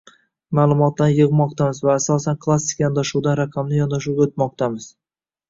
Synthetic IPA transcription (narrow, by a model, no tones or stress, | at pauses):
maːlˠʊmɒt̪ːanjɨʁmɒq̚t̪ʰamɪzvaːsɒsankʰlˠasɪ̥kʰʲajɒnd̪aʃuwd̪anɾaqʰɑmnɪjɒnd̪aʃuwɡʲaot̪mɒq̚t̪ʰamɪz̥